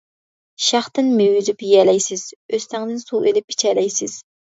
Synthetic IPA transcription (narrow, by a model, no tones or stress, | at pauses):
ʃɑχt̪ɨnmewyzypjɛlɛjsɪz̥øst̪ɛŋd̪ɪnsuʔelɪpʰi̥t͡ʃʰɛlɛjsɪz̥